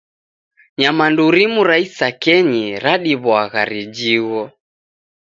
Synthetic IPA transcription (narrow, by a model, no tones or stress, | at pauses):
ɲamanduɾimuɾaisakɛɲiɾaɗiβwaɣaɾid͡ʒiɣɔ